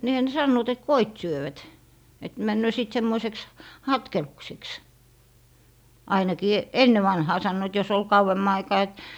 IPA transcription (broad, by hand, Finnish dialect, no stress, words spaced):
niːhæ ne sɑnːoːt et koit syøʋæt et mænːøː siˑt semːoiseks hɑtkelukseks ɑinɑkiː enːe ʋɑnhɑː sɑnːoit jos ol kɑuwemːɑ ɑikɑː et